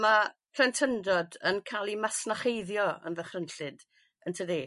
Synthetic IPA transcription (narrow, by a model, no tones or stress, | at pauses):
mapʰrɛntʰəndɔdənkʰalˠimasnaχejðjɔə̰nðəχrənɬɨd | əntʰəðeː